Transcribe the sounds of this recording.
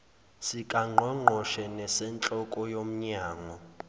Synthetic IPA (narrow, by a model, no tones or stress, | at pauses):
sikʼaŋ͡ǃʱɛŋ͡ǃʱɔʃɛnɛsɛnt͡ɬʼɔkʼɔjom̩ɲaːŋɔ